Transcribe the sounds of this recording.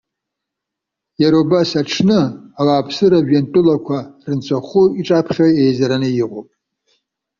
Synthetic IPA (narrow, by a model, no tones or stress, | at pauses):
jaɾobasaʈ͡ʂʰnɨawaːpʰsɨɾaʒᶣantʼʊlakʷʰarɨnt͡sʰʷʼaχʷuiʈ͡ʂʼapʰχʲaejzaɾanɨjiqʷʼopʼ